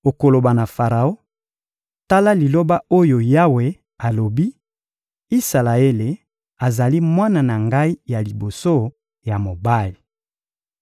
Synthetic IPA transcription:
o˨ko˨lo˨ba˨na˨fa˨ʁa˨o˦ | ta˦la˦li˨lo˦ba˦o˦jo˨ja˦we˨ | a˨lo˨bi˦ | i˦sa˨la˨e˦le˨ | a˨za˨li˦mwa˦na˨na˨ŋɡa˦i˦ja˨li˨bo˨so˦ | ja˨mo˨ba˦li˨

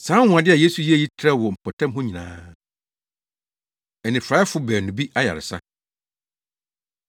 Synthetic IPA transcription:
sãː˨˦wʊ̃˨a˨dɪ˦a˨je˦su˨ji˦e˦˨ji˦tʰɾɛ˦wɔ˨m̩˨pʰɔ˨tʰã˦mɦʊ̃˦ɲĩ˨nã̰ː˦ | ɛ˨nɪ̃˨fɾa˨˦ɛ˦fʊ˦bɛː˨nʊ̃˨bi˦ʔa˦ja̰˨ɾɪ̰˨sa̰˦

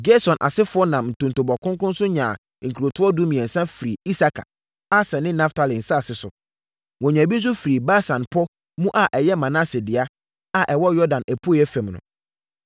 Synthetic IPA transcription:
d͡ʒe˦sɔ̃˨nʔa̰˨sɪ˦fʊ˨ɔ˦nã˨mn̩˨tʰõ˨n˨to˨bɔ˨kʰʊ̃˦ŋkʊ̃˦nsʊ̃˦ɲã˨ | ŋ̩˨kʰɾo˨tʰʊ˦ɔ˦du˦mĩ˨ɛ̃˨n̩˨sɛ̃˦fi˨ɾi˨i˦sa˦kʰa̰˨ | a˦sɛ̃˨nɪ̃˦nã˦ftʰa˦lĩ˨n̩˨sa˦a˨sɪ˨sʊ˨ | wɔ̃˨ɲã˨bi˦n̩˦s̬ʊ˦fi˨ɾi˨ba˦sã˨npʰɔ˦ | mũ˦ʔa˨ʔɛ˨jɛ˦mã˨na˦sɛ˨dɪ˨a˦ | a˨ʔɛ˨wɔ˦jɔ˦dã˨næ˨pʰu˦˨ɛ˦fɛ̃˨mnʊ̰̃˨

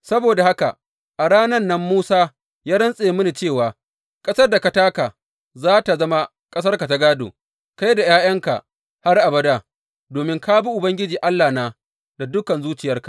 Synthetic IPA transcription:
sɐ˦boː˨da˨ha˦ka̰˨ʔ | ʔa˨ɾaː˦nɐ˦nːɐ˦mːuː˦saː˦ | jaː˦ɽɐ˦nsʼe˨˦mʊ˦ni˨t͡ʃeː˦˨waː˨ | kʼɐ˦sɐ˦rda˨ka˨taː˦ka˨ | zaː˦ta˨zɐ˦ma˦ | kʼɐ˦s̬ɐ˦rka˨ta˦ɡaː˦do̰ː˨ | ka˦jda˨jaː˦jɐ˦ŋka̰˨ | ha˦rʔa˨bɐ˦da˦˨ | doː˨mɪ˦ŋka˦bi˦ʔʊ˨bɐ˦ŋɡʲɪ˦d͡ʒiː˨ʔa˦lːaː˨naː˦ | da˨dʊ˦kɐ˨nzuː˦t͡ʃɪ˨jɐ˦rkḁ˨

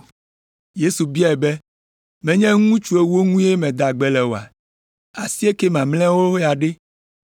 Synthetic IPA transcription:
je˦su˨bi˦a˦e˨bɛ˦ | mɛ̃˨ɲɛ̃˦ŋũ˦t͡ʃu˦e˦wo˦ŋũ˦e˦mɛ̃˨d̪a˨ɡ͡bɛ˨lɛ˨wo˨a˨ | a˨si˦e˦ke˦mã˨ml̃ɛ̃˦wo˦ja˨ɖe˦

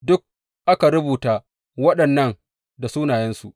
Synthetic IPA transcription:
dʊ˦k̚ | ʔa˦ka˨ɾʊ˦buː˨taː˦ | wɐ˦ɗɐ˨nːɐ˦ŋ | da˨suː˦naː˨jɛ˦nsu˨ʔ

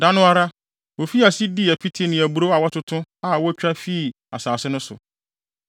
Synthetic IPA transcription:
dã˦nʊ̃˦a˦ɾa˦ | wo˨fi˦a˨si˦di˦˨æ˨pʰi˦tʰe˦nɪ̃˨æ˨bu˨ɾo˦a˨wɔ˦tʰʊ˦tʰʊ̃˦a˨wɔ˦t͡ɕᶣa˦fi˦˨ | a˨saː˨sɪ˦nʊ̃˦sʊ̰˨

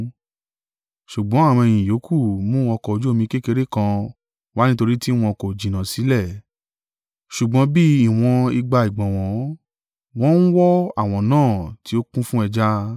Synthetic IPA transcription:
ʃu˨ɡ͡bɔ̃˨˦a˦˨w̃ɔ̃˧e˧j̃ĩ˨jo˨˦kʰu˦˨mũ˦ɔ˧kɔ˧o˧d͡ʒu˦o˧mĩ˧ke˦ke˧ɾe˦kã˧ | wa˦nĩ˦to˧ɾi˦ti˦w̃ɔ̃˧ko˨d͡ʒĩ˨nã˨si˨˦lɛ˦˨ | ʃu˨ɡ͡bɔ̃˨˦bi˦i˦˨w̃ɔ̃˧i˧ɡ͡ba˧i˨ɡ͡bɔ̃˨w̃ɔ̃˨˦ | w̃ɔ̃˦n̩˦wɔ˦a˦˨w̃ɔ̃˧nãː˦˨ti˧˦o˦kũ˦fũ˦ɛ˧d͡ʒa˦

